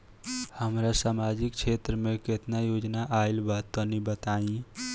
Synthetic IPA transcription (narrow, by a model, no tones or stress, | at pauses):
həmɾasaːmad͡ʒikt͡ʃʰet̪ɾəmeket̪najod͡ʒnaʔailbat̪ːɔnibət̪aĩ